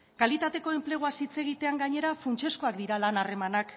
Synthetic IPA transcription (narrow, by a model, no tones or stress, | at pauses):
kalit̪at̪e̞ko̞e̞mple̞ɣuasit͡se̞ɣ̞it̪e̞aŋɡaɲe̞ɾafunt͡ʃe̞sko̞akd̪iɾalanare̞manak